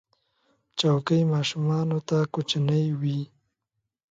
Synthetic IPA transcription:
t͡ʃawkəjmɑʃumɑnot̪akot͡ʃanəjwi

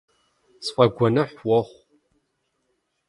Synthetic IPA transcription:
sfɐɡʷɐnɐħwɔχʷ

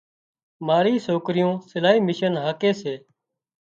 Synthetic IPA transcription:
maːɾiːsoːkɾɪjõːsɪlaːɦiːmɪʃənɦaːkeːseː

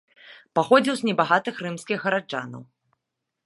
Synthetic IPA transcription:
paxɔd͡zʲiwznʲɛbaɣat̪ɨxrɨmskʲiɣɣɐɾad͡ʐa̰nɐ̰w

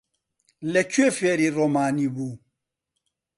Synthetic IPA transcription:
lɛt͡ʃuefɛɾiɾɔmaːnĩbu

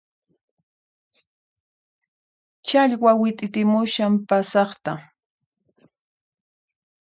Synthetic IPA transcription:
t͡ʃaʎwawɪt̪ʼɪt̪ɪmʊʃampasɑχt̪a

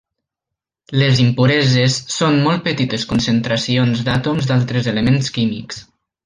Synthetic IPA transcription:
lezimpuɾɛzesːonmɔlˠt̪̚pət̪it̪eskunsənt̪ɾəsionzd̪at̪omzd̪alˠt̪ɾəzeləmenskimḭks

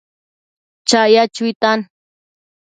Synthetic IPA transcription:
t͡ʃajat͡ʃʊjt̪an

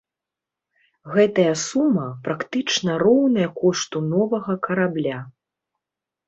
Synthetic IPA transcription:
ɣɛt̪ɐjɐsumɐpɾakt̪ɨt͡ʂnɐrɔwnɐjɐkɔʂt̪unɔvɐɣɐkɐɾablʲa

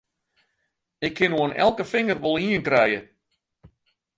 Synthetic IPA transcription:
ɪkʰːɪnuənɛ̰lˠkəfɪŋərʋɔlˠiənkrɛjə

